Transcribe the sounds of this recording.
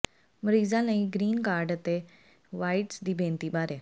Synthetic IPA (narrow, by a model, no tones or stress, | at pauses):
məɾiːzãlaĩɡɾiːnkaːɾɖt̪e | ʋaːiʈsd̪iːbʱẽːnt̪iːɓaːɾeː